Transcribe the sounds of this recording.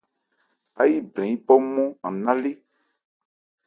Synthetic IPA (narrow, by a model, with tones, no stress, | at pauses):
a̰˦ji˦blɛ̃˨i˦bɔ˦mɔ̃˦ã˨nã˦le˦